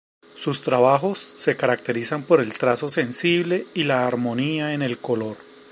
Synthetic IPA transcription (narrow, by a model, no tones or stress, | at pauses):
sust̪ɾaβaxo̞sːe̞kaɾak̚t̪e̞ɾisampo̞ɾe̞lt̪ɾaso̞se̞nsiβle̞ilaːɾmo̞niae̞ne̞lko̞lo̞ɾ